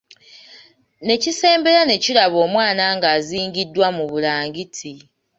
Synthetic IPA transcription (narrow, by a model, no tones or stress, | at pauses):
ne̞cise̞ːmbe̞ɾane̞cilaβo̞ːmwaːnaŋɡaːziːŋɟidːwamuβulaːŋɡitʰi